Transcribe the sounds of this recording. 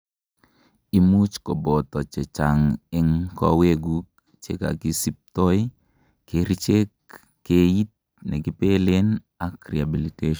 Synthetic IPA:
i˦mu˦t͡ʃko˨bɔ˨t̪ɔ˨t͡ʃe˨t͡ʃa˨ŋɛ˦ŋkɔ̰˦we˦ɡu˦k̚ | t͡ʃḛ˦ka̰˨ki˦si˦p̚t̪ɔ˦j | keɾi˦t͡ʃe˦kː | e˦i˦t̪̚ | nɛ˨ɡɪ˦pe˦le˦n | a˦kɾia˨bi˨li˨te˦ʃ

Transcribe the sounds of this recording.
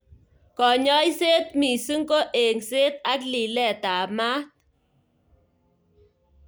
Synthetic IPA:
kɔ˨ɲɔ˦jse˦t̪̚mi˨sɨ˦ŋko˦ʔe˨ŋse˦t̪̚a˦kli˨lɛ˦˨t̪a˨ma˦t̪̚

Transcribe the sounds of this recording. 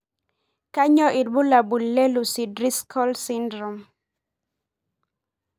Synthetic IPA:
ka˦ɲɔ˦ʔi˨dbu˦la˨bu˨lːe˦lu˨si˨dɾi˦skʰɔ˦lsi˦ndɾɔ˨m

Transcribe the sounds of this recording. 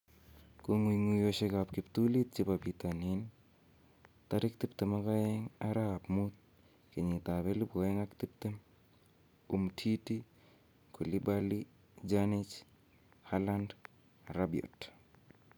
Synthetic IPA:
ko˨ŋwiŋu˨jo˨ʃe˦ka˨pki˨pt̪u˦li˦t̪̚t͡ʃi˦papi˨t̪a˨ni˦n | t̪a˦ɾi˦k̚t̪i˦pt̪e˨ma˦ka˦ɛ˦ŋa˦ɾa˦˨pmu˦t̪̚ | ke˨ɲi˨t̪a˨be˦li˦bo˨e˦ŋa˦kt̪i˦p̚t̪e˦m | u˨mtʰi˦ti˦ | ko˨li˦bali | d͡ʒani˦t͡ʃ | hala˦nd | rabio̰˨t

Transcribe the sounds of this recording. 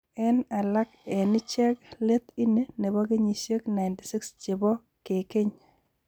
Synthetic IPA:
ɛ˦na˨la˦kɛ˨nɪ˦t͡ʃɛ˦kle˦t̪i˦ne˦ne˨bɔ˦kɪ˦ɲi˨ʃe˦kna˨ɪnti˨sɪ˦kst͡ʃe˨bɔ˦ | ke˨kɪ˦ɲ

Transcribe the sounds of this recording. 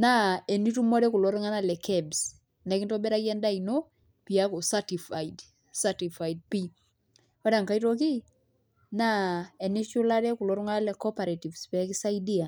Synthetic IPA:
na˦ɛ˨ni˦tu˦mɔ˦ɾɛ˦ku˨loɾu˦ŋa˦na˦lɛ˨kɛbs | na˨kinto˦bɛ˦ɾa˦ki˦ɛ˦nda˦ino˦ | pia˦ko˨sati˨fajd | sati˨fa˨jd̚pi | ɔ˦ɾa˨ŋka˦itok̬i˦ | na˦ɛ˨niʃu˦laɾɛ˦ku˨loɾu˦ŋa˦a˦lɛ˨kɔpaɾati˨vspɛ˨ki˦sa˦idia˨

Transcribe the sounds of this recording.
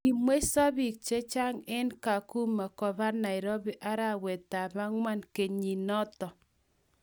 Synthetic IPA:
i˨mwe˦sa˦βi˨k̚t͡ʃe˦t͡ʃa˦ŋe˦nka˨ku˦ma˨kɔ˨βa˦na˨ɪ˨ɾɔ˦βi˦ʔa˦ɾa˦we˨ta˨βa˦ŋwa˦nke˨ɲi˨nɔ˦tɔ˨

